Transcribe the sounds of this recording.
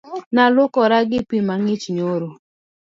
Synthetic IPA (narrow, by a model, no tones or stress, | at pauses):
nalʊkɔɾaɡɪpimaŋɪt͡ʃɲoɾo